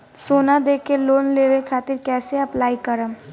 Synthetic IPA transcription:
soːnad̪eːkʰːeloːnleːʋekʰaːt̪ɪɾkɛːseɐplaːikəɾəm

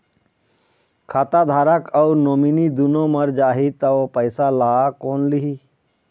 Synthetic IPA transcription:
kʰaːt̪ad̪ʱaːɾəkɔʊɾnoːminid̪unõməɾd͡ʒaːɦit̪əʋpəɪsalaːkoːnliɦi

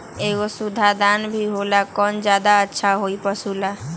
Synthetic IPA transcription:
eɡosud̪ʱad̪anbʱiɦolakɔnd͡ʒad̪aətːʃʰaɦoipəsula

